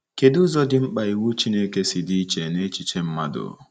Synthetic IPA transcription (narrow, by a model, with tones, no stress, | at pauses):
ke˨dʊ˦zɔ˦dɪ˦m̩˦k͡pa˨i˨wu˦t͡ʃi˦ne˦ke˦sɪ˨dɪ˦i˦t͡ʃe˨ne˦t͡ʃi˨t͡ʃe˦m̩˦ma˦dʊ̰˨